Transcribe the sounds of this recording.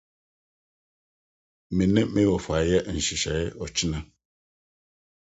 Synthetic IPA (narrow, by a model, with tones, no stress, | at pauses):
me˨nɛ˦me˦wɔ˨fa˨˦jɛ˦ʔn̩˨ʃi˨ʃa˨jɛ˦ʔɔ˨t͡ʃi˦na˦